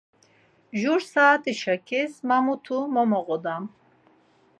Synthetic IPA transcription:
ʒuɾsaːt̪ʰiʃakʰismamut̪ʰumɔmɔʁɔd̪am

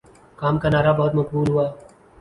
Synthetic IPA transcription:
kaːmkanaːɾabɔːt̪mɐkbuːlɦuaː

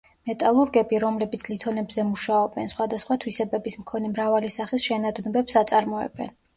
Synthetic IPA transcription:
mɛt̪ʼalˠuɾɡɛbiɾɔmlɛbit̪sʰlit̪ʰɔnɛbzɛmuʃaɔbɛnsχwad̪asχwat̪ʰwisɛbɛbismkʰɔnɛmɾavalisaχisʃɛnad̪nɔbɛpsat̪sʼaɾmɔɛ̰bɛ̰n

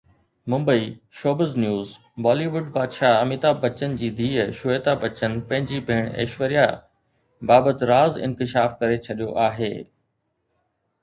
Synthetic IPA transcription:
mʊ̃mbəiʃoːbəznjuːz | bɔːliʋʊɖpaːd̪ʃaɐmɪt̪abɐt͡ɕənd͡ʑiːd̪ʱiːʃʊeːt̪abɐt͡ɕənpɐ̃ɦɪ̃ɲd͡ʑibʱeːɽ̃ḛːʃʋəɾija | baːbət̪ɪɾaːzɪ̰̃nkɪʃaːfkɐɾet͡ɕʰɐɗijoʔaːɦḛː

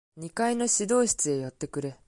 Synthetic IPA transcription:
ɲ̟ikaino̞ɕid̪o̞ːɕi̥t͡sɨe̞jat̪ːe̞kɯ̟ɾe̞

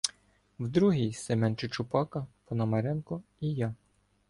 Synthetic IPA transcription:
wd̪ɾuɦijsɛmɛnt͡ʃɪt͡ʃʊpɑkɐpɔnɐmɐɾɛnkɔijɑ

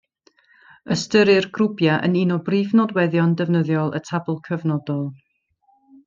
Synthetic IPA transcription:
əstəɾɨrɡrʊbjaʔə̰ninɔbrivnɔdwɛðjɔndɛvnəðjɔlˠə̰tʰabʊlˠkʰəvnɔdɔlˠ

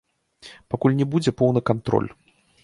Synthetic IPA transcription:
pakulʲnʲɛbud͡zʲɛpɔwnɨkant̪ɾɔ̰lʲ

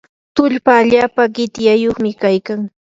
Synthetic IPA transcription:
t̪ʊʎpaːʎaːpaɢɪt̪jajoχmɪkajkaŋ

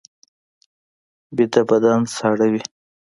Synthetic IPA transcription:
bit̪abad̪ansɑɽawi

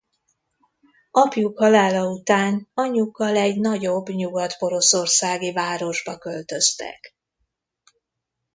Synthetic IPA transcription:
ɒpjukhɒlaːlɒut̪aːnɒɲːukːɒlɛɟnɒɟo̞bɲuɡɒt̪bo̞ɾo̞so̞rsaːɡivaːɾo̞ʒbɒkølt̪ø̞st̪ɛ̰k

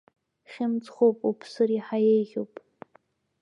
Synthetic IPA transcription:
χʲɪmt͡sʼχowpʼupʰsɨriħajejʁʲowpʼ

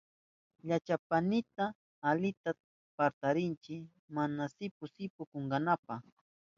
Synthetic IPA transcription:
ʎat͡ʃapanɪt̪aː | lɪt̪a | paɾt̪aɾɪnt͡ʃɪk | manasɪpʊsɪpʊkoŋɡɑnapaχ

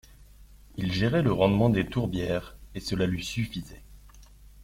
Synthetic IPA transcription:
ilʒeʁɛləʁɑ̃d̪mɑ̃d̪et̪uʁbjɛːʁesəlalɥisyfizɛ

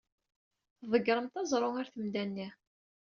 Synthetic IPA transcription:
θðˤəɡɾˤəmt̪ɑzˤɾˤoŋaɾθəmd̪ænːi

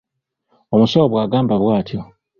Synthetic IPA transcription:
omusawoβwaːɡaːmbaβwaːtjo

